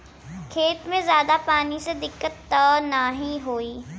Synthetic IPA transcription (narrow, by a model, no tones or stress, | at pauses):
kʰeːt̪mẽzjaːd̪apaːnised̪ɪkːət̪ːəːnaɦĩɦoːiː